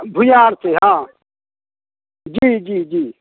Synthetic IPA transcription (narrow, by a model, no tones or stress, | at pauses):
bʱʊjaːɾseɦãː | d͡ʒiːd͡ʒiːd͡ʒiː